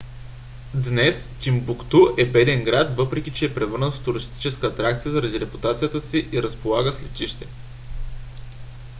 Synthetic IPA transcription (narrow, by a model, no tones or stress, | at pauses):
d̪nɛst̪ʲimbʊkt̪uʔɛbɛd̪ɛŋɡɾat̪vɤpɾɛkʲit͡ʃɛːpɾɛvɤɾnət̪ft̪ʊɾist̪i̥t͡ʃɛskəːt̪ɾak̚t̪sijəzəɾɐd̪iɾɛpu̥t̪at̪sijət̪əsiʔiɾəspolˠaɡəslɛt̪ʲiʃt̪ɛ